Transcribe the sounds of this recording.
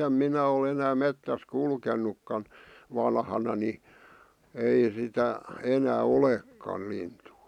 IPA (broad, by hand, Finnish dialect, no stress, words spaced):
em minæ ol enæː metːæs kulkenːukːɑn ʋɑnhɑnɑ ni ei sitæ enæː olekːɑl lintuː